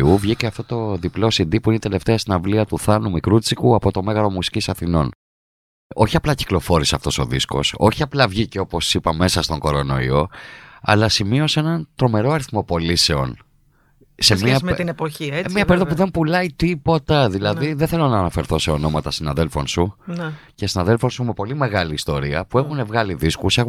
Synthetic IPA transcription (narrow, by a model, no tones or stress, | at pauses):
uvʝiceɐft̪o̞t̪o̞ðiplosind̪ipuinit̪e̞le̞ft̪eɐst̪inɐvliɐt̪uθɐnumikɾut͡sikuɐpo̞t̪o̞me̞ɣɐɾo̞musi̥cisɐθino̞n | o̞çiɐplɐci̥klo̞fo̞ɾiseɐft̪o̞so̞̰ðisko̞̰so̞̰çiɐplɐvʝiceo̞po̞sipɐme̞sɐst̪o̞ŋɡo̞ɾo̞no̞̰ḭo̞ɐ̰lɐsimio̞senɐnt̪ɾo̞me̞ɾo̞ɐɾiθmo̞po̞lise̞o̞̰n | semiɐt̪inepoçiemiɲɐpeɾoðɐpuðe̞mpulɐit̪ipo̞t̪ɐðilɐðiðeθe̞lo̞nɐːnɐfe̞ɾθo̞se̞o̞no̞mɐt̪ɐsinɐðe̞lfo̞nsunce̞sinɐðelfo̞nsume̞po̞lime̞ɣɐliːst̪o̞ɾiɐpue̞xune̞vɣɐliðiskusex